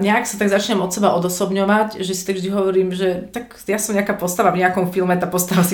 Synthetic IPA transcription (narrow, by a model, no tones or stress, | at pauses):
ɲɛaksat̪aɡzat͡ʃɲɛmɔt̪sɛbaɔd̪ɔsɔbɲɔʋacʒɛsi̥t̪aɡvʒd̪iɦɔʋɔɾiːmʒɛt̪ak | jasɔmɲɛakaːpɔst̪aʋavɲɛakɔmfilmɛt̪aːpɔst̪aʋasi